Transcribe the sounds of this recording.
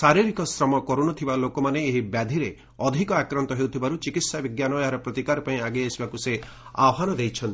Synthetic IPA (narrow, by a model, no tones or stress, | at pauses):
saɾiɾikɔsɾɔmɔkɔɾunɔt̪ʰibalokɔmaneːɦibjad̪ʱiɾe | ɔd̪ʱikɔakɾɔnt̪ɔɦewt̪ʰibaɾut͡ʃikit̪sabiɡjanɔeɦaɾɔpɾɔt̪ikaɾɔpaĩaɡeesibakuse | a̰wɔɦanɔd̪ejt͡ʃʰɔnt̪i̥